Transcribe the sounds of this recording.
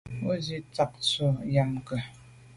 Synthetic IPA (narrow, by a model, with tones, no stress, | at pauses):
o˦zi˦t͡sa˦˨k̚t͡so˦ja˦mkə˨